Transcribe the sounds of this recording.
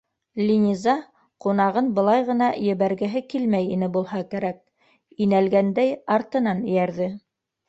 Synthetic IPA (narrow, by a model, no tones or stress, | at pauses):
lʲinʲizɑ | qunɑʁɤnbɤ̆lˠɑjʁɤ̆nɑjɘ̆βæɾɡɘ̆ɦɘkilmæjinɘbulˠhɑkæɾæk̚ | inælɡænd̪æjɑɾt̪ɤ̆nɑnɘ̆jæɾðɘ